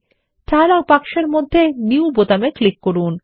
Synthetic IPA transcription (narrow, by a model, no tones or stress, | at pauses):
ʈalapakʃeɾmod̪ʱːeniubot̪ameklikːoɾun